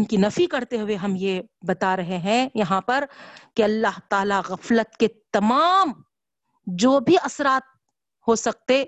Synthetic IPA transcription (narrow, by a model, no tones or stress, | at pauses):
nkinɐfikɐɾt̪eɦʊeɦɐmjebɐt̪aɾɐɦeɦɛ̃jɐɦãpɐɾkeɐlːaɦt̪aːlaɣɐflət̪ket̪ɐmaːm | d͡ʒoːbʱiɐsɾaːt̪̚ | hosɐk̚t̪eː